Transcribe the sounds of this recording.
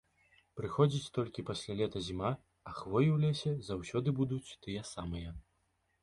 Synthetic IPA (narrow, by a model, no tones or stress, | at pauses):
pɾɨxɔd͡zʲit͡sʲt̪ɔlʲkʲipɐsʲlʲalʲɛt̪ɐzʲima | ɐxvɔjiwlʲɛsʲɐzawsʲɔd̪ɨbud̪ut͡sʲt̪ɨjɐsamɨjɐ